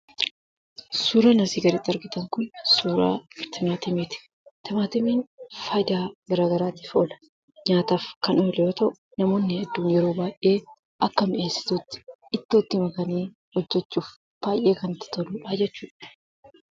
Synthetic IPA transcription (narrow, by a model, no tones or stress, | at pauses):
suːɾɐnɐsiːɡɐɾit̪ːɐɾɡɪt̪ɐŋkʊnsuːɾa̰ːt̪ɪmaːt̪ɪmeːt̪ɪ̥ | t̪ɪmaːt̪ɪmiːnfɐjd̪aːɡɐɾaːɡɐɾaːt̪ɪfoːlɐ̥ | ɲaːt̪aːfkɐnoːlɛjoːt̪ɐʔʊ | nɐmo̞ːnːɪhɛd̪ːuːnjɛɾo̞ːbaːjʔe̞ː | ʔɐkːɐmɪʔeːsːɪ̥t̪ut̪ːɪ̥ɪt̪ːoːt̪ːɪmɐkɐniː | hɔd͡ʒːɛt͡ʃːuːf | b̥aːjʔe̞ːkɐnɪt̪ːɪ̥t̪ɐluːᶑaːd͡ʒɛt͡ʃːuːᶑɐ̥